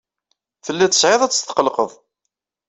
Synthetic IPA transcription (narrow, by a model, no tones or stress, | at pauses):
θəlːæt͡s̪ːə̥sʕeðˤæt͡sːə̥st̪ːə̥qəlqəðˤ